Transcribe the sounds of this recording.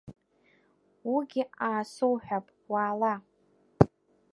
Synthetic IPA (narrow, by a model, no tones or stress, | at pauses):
wiɡʲiaːsowħʷᶣapʼwaːla